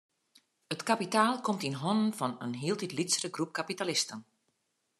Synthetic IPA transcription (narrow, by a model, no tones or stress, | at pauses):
ətkapitaːlˠkɔmtinɦɔnənfɔnənɦiəlˠtitlitsrəɡrup̚kapitalɪstən